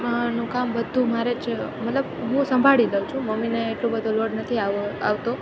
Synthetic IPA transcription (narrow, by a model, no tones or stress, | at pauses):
nũkambəd̪ʱũmaɾet͡ʃmət̪ləbɦũsəmbʱaɭiləut͡ʃʰũməmineːʈlobəd̪ʱoloɽnət̪ʰiaa̰ʋt̪o